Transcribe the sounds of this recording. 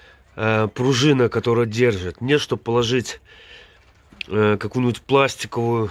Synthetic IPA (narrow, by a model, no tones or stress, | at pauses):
əpɾʊʐɨnəkɐt̪o̞ɾəjədʲe̞rʐɨt̪nʲet̪ʂt̪ob̚pːəlˠɐʐɨtʲ | kɐkujnʲɪbʲʊtʲplˠasʲtʲɪkəvʊjʊ